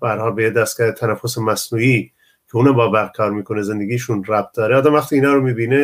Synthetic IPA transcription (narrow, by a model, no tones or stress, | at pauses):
b̥æhæɾhɒːlbejed̪æst̪̚ɡæːɾet̪ʰænæfosemæsnuːiː | kʰeuːnæmbɒːbæɾkʰɒːɾmiːkʰo̞neze̞nd̪eɡiːʃunræb̚t̪̚d̪ɒːɾeɑːd̪æmvæxt̪iːnɒːɾomiːbiːne